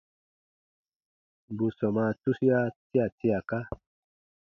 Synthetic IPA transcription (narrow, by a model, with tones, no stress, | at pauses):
bu˨sɔ˨ma˧tu˦si˦ja˦ti˦a˨tʰi˦a˨ka˦